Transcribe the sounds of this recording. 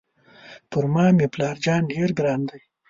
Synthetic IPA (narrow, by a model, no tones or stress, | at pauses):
pʊɾmɑːmiplɑːɾd͡ʒɑːnɖeɾɡɾɑːnd̪aj